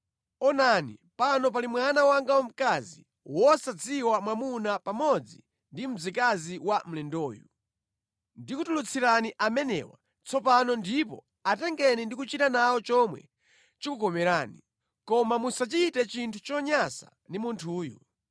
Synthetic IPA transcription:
ɔnanḭpanɔp̬alimwanawaŋɡawɔm̩kazi | wɔsad͡zʰiwamwamunapamɔd͡zḭ | ndim̩d͡zikaziwam̩lɛndɔːju | ndikutulut͡sʰiɾaniʔamɛnɛ̰wa̰ | t͡sɔpanɔndipɔ̰ | atɛŋɡɛnindikut͡ʃitanaɔt͡ʃɔmwɛ̰ | t͡ʃikukɔmɛɾaːni | kɔmamusat͡ʃitɛt͡ʃintʰu̥t͡ʃɔɲasa̰ | ndimuntʰuːjɔ̰

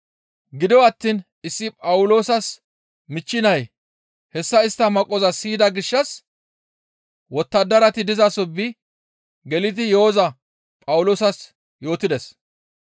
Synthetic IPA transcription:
ɡɪd̪ɔwɐt̪ːiːn | ɪsːɪpʼɐwʊlo̞ːsɐs | mɪt͡ʃːɪnɐj | hɛsːɐɪst̪ːɐmɐkʼːɔzɐsiːd̪ɐɡɪʃːɐs | wɔt̪ːɐd̪ːɐɾɐt̪ɪd̪ɪzɐsɔbːɪ | ɡɛlɪt̪ɪjɛozɐ | pʼɐwʊlo̞ːsɐs | jo̞ːt̪ɪd̪ɛs

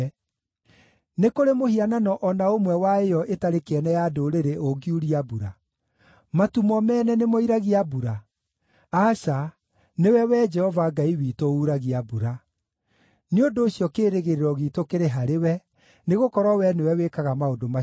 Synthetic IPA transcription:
nekoɾemohiananɔʔɔnaomwɛwaejɔʔetaɾekɛnɛjadoɾeɾeʔoɡiuɾiabuɾa | matumɔmɛːnɛnemoiɾaɣiabuɾa | asa | newɛwɛd͡ʒɛhɔvaɡaiwitouɾaɣiabuɾa | neondoːɕjɔkeːɾeɣeɾeɾɔɣitokeɾeɦaɾewɛ | neɣokɔɾwɔwɛnewɛwekaɣamaodoma

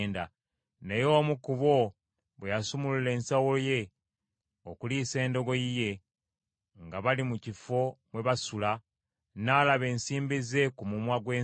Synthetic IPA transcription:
nda | ne̞jo̞ːmukuβo̞ | βwejasumulule̞ːnsawoje̞ | okuliːse̞ːndo̞ɡo̞ije̞ | ŋɡaβalimucifo̞mwe̞βasula | naːlaβe̞ːnsiːmbize̞kumumwaɡwe̞ː

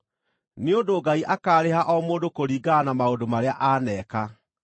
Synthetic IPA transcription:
neondoːɡaiʔakaːɾehaʔɔmoːndokoɾiːɡanamaondomaɾeaʔaːnɛːka

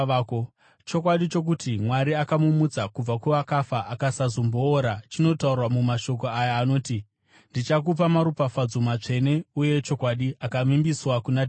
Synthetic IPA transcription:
ko | t͡ʃo̞k̬waɗit͡ʃo̞k̬utʰimwaɾiakamumut͡sakub͡vakuʋakafaʔakasazomboːɾat͡ʃino̞taurwamumaʃo̞k̬o̞ajaːno̞ːti | ndit͡ʃak̬up̬amaɾupafad͡zumat͡ʂe̞ne̞uje̞t͡ʃo̞kwaɗiakamimbiswakunad

